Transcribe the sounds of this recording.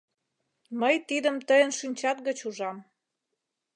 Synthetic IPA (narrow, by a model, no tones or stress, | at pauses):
məjt̪id̪ə̆mt̪əjənʃynʲt͡ɕɑt̪̚ɡət͡ɕuʒɑm